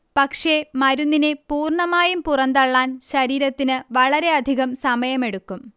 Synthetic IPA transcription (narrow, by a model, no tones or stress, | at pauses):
pɐkʂe̞mɐɾunːinepuːrɳɐmaːjumpurɐnd̪ɐɭːaːnɕɐɾiːɾɐt̪ːinɨʋɐɭɐɾe̞ɐd̪ʱiɣɐmsɐmɐjɐme̞ɽukːum